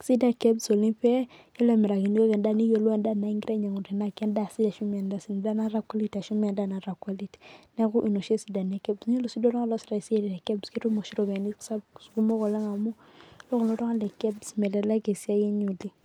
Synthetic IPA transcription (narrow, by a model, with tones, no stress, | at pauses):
si˦da˦kɛ˦bso˨li˦pɛ˦jɛ˦lɛ˨mɛ˨ɾa˨ki˨ni˦ko˦kɛ˨nda˦ni˦jo˨lwɛ˦nda˦˨na˨˦i˦ŋɡɾe˦ɲa˨ŋu˨ɾi˨na˦˨kɛ˦nda˦˨si˦da˨ʃu˦mɛ˨nda˨si˨n˨da˦na˦ra˦kʷa˦li˦ta˨ʃu˦mɛ˨nda˦˨na˨ɾa˨kwa˦li˦tnɛ˦ku˦ʔi˨no˨ʃe˦si˨da˨n˨a˦kɛ˦bsɲe˦lo˨si˦do˦lɔ˦ŋɔ˦lɔ˦si˨ɾa˨se˦dɛ˨dɛ˨kɛ˦bske˦ɾu˦mo˨ʃi˦ɾo˨bɛ˨ni˦sa˦bsku˦mo˦kɔ˨lɛ˦ŋa˨mu˦ | lo˦kɔ˨lɔ˦ɾɔ˦ŋa˦ndɛ˨kɛ˦bsmɛ˨lɛ˨la˦ke˨sa˦ji˦ɲu˨li˦